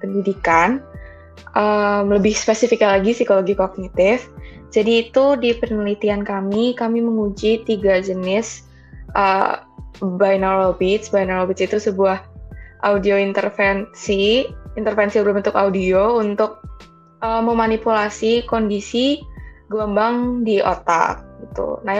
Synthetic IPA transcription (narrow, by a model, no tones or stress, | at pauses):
pəndidikan | ʔəmləbɪhspesifikalaɡisikoloɡikɔk̚nit̪ɪf | d͡ʒadiːt̪udipərnəlit̪iankamikamiməŋud͡ʒit̪iɡad͡ʒənɪs | ʔə | bajnalobit̪sbajnalobit̪sit̪usəbuahʔa̰udioint̪ərfɛnsiint̪ərfɛnsiblumunt̪ʊkaudiount̪ʊk̚ | ʔəməmanipulasikondisiɡləmbaŋdiʔo̰t̪a̰k̚ɡit̪ṵna